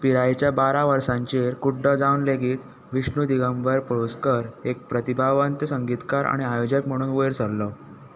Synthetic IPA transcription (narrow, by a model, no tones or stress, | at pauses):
piɾajt͡ɕjabaɾaʋəɾsãɲt͡ɕeɾkuɖːəd͡zaunleɡiːt̪ | ʋiʂɳud̪iɡamʋəɾpɾoskəɾek̚pɾət̪ibʱaʋənt̪əsəŋɡit̪kaɾa̰ɽ̃iajod͡ʑəkm̤əɽ̃uːnʋojɾsəllə